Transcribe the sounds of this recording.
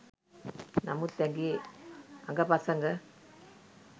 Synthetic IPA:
nɐmut̪ːeŋɡi | ɐŋɡɐpɐsɐŋɡɐ

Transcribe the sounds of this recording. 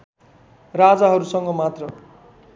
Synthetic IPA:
rad͡zaɦʌɾusʌŋɡʌmat̪rʌ

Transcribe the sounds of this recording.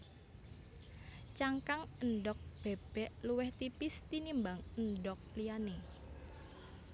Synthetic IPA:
t͡ʃaŋkaŋənɖɔk̚b̥e̤b̥ɛ̤ʔluwɛht̪ipɪst̪inimbaŋənɖɔk̚liane

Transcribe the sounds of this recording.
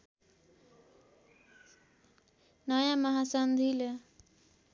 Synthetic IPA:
nʌjãmʌɦasʌnd̪ʱilʌ

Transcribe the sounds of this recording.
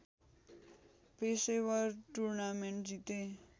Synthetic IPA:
pesewʌɾʈuɾnameɳʈd͡zit̪ẽ

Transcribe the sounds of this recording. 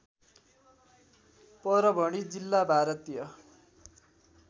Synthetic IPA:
pʌɾʌbʱʌɽ̃id͡zilːabʱaɾʌt̪ijʌ

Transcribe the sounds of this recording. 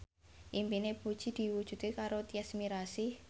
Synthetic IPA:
ʔimpinepud̥ʒ̥i̤d̪̥i̤wu̥ʒ̥ṳt̪ekaɾot̪iɛsmiɾasi

